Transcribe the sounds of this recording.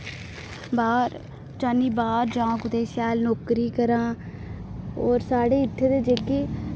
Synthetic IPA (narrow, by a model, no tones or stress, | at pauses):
baːɾ | t͡ʃaːniːbaːɾd͡ʒãːkʊt̪eːsjaːlnoːkɾiːkəɾãː | ɔːɾsaːɽeːɪt̪ʰːeːd̪eːd͡ʒeːkeː